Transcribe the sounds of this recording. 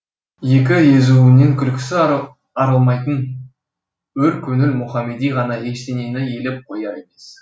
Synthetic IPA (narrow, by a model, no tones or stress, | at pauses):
je̞k̬ʲɪje̞zuɪne̞ŋkʲʰʏlkʲɪ̥sɪ | ɑɾəlˠmɑjt̪ən | wɵɾkʲʰɵnɪlmʊχɑmːe̞d̪ijʁɑnɑe̞ʃt̪e̞ne̞nɪje̞lɪp̚qʰo̞jɑe̞me̞s